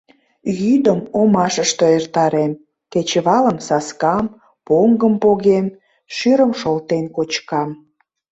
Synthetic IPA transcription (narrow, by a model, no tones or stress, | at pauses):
jyd̪əmomɑʃəʃt̪oert̪ɑɾem | ket͡ɕəβɑləmsɑskɑm | poŋɡəmpoɣem | ʃyɾəmʃolt̪enkot͡ɕkɑm